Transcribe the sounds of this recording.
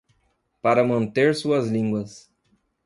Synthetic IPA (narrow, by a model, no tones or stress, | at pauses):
paɾɐmɐ̃nt̪eɾsuɐzlĩŋɡwɐs